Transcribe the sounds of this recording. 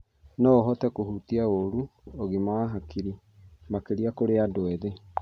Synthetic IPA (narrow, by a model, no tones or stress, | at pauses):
nɔɔɦɔtɛkohutiaoɾuoɣimaːɦakiɾi | makeɾiakoɾeadwɛðe